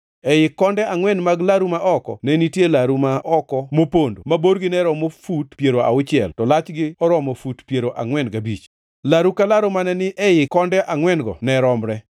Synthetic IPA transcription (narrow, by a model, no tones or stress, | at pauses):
ɛjɪkːɔndɛaŋwɛnmaɡlaɾumaʔɔkɔ̰nɛnitjelaɾumaʔɔkɔmopondo̰maboɾɡɪnɛɾɔmofutpjeɾoa̰ʊt͡ʃɪɛ̰ltɔlat͡ʃɡɪɔɾɔmɔfutpjeɾoʔaŋwɛnɡabit͡ʃ | laɾukalaɾomanɛnɪʔɛjɪkɔndɛʔaŋwɛnɡɔ̰nɛɾɔmɾɛ